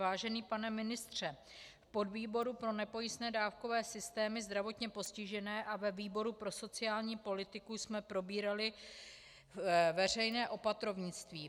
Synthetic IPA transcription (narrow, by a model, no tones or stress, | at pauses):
vaːʒɛniːpanɛmɪnɪst̪r̝̥ɛ | fpodviːbo̞ɾupɾo̞nɛpo̞jɪsnɛːdaːfko̞vɛːsɪst̪ɛːmɪzd̪ɾavo̞t̪ɲɛpo̞scɪʒɛnɛːʔavɛviːbo̞ɾupɾo̞so̞t͡sɪaːlɲiːpo̞lɪt̪ɪkusmɛpɾo̞biːɾalɪ | vɛr̝ɛjnɛːʔo̞pat̪ɾo̞vɲɪt͡st̪viː